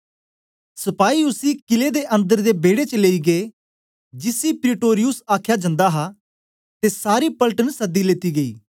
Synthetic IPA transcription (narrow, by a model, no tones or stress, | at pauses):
sɐpaːiʊsikɪled̪eːʔə̃nd̪əɾd̪eːbeːɽet͡ʃəleːiɡeː | d͡ʒɪsiːpɾɪʈoːɾɪjʊsaːkʰjad͡ʒə̃nd̪aɦa | t̪esaːɾiːpələʈənsɐd̪ːileːt̪iːɡəḭː